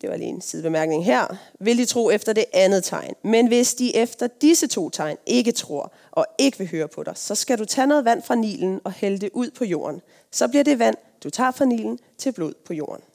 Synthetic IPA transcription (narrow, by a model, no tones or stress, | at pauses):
d̥e̝ʋɑ̈lḭːensiðˠb̥emæɐɡ̥̚ne̝ŋɦæɐ̰ʋe̝ld̥it͡sʰʁo̝̰ːefd̥ɐd̥e̝ʔænð̞̩ˠt͡sʰɑ̈ɪnmenʋe̝sd̥iʔefd̥ɐd̥isət͡sʰo̝̰ːt͡sʰɑ̈ɪ̰nʔe̝ɡət͡sʰʁo̝ɐ̰ | ʔɒ̽e̝ɡ̥əʋe̝ɦøːɐpʰɒ̽ɾ̥ɑ̈ɪsɒ̽sɡ̥æɾut͡sʰɛːnoːð̞̩ˠʋæn̰fʁɑ̈nḭːln̩ɒ̽held̥eʔuð̞̰ˠpʰɒ̽jo̝̰ːɐn | sɒ̽b̥liɐɾe̝ʋæn̰ | d̥ut͡sʰɑ̰̈ːfʁɑ̈nḭːln̩ | t͡sʰe̝lb̥lo̝ð̰ˠpʰɒ̽jo̝̰ːɐn̩